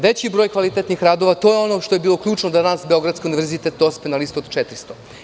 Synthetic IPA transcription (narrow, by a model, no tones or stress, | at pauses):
ʋet͡ɕibɾojkʋalit̪et̪nixɾaːd̪o̞ʋat̪o̞jeo̞no̞ʃt̪oje̞biːlˠo̞kʎuːt͡ʂnod̪anaːsbeo̞ɡɾad̪skiuniʋeɾzit̪et̪̚d̪ospenalist̪oːd̪t͡ʃet̪ɾist̪o